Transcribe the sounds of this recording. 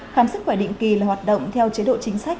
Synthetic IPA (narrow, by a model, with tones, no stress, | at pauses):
xaː˧˩msɨ˦˥k̚xwaː˧˩ɗḭ˧˨ŋ̟ki˨˩laː˨˩waː˨˩t̚ɗə̰˧˨wŋ͡mt̪ʰɛ˧wt͡ɕe˨˦ɗo̰˧˨t͡ɕï˨˦ŋ̟sa˦˥k̟̚